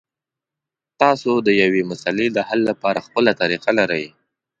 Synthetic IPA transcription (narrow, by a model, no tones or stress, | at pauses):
t̪ɑsod̪əjawemʊsaleləhalːapɑɾaxpəlat̪aɾiqalaɾəj